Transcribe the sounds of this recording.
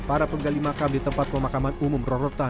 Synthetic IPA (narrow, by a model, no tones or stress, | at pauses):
paɾapəɡalimakamdit̪əmpat̪̚pəmakamanumʊmrɔɾɔt̪a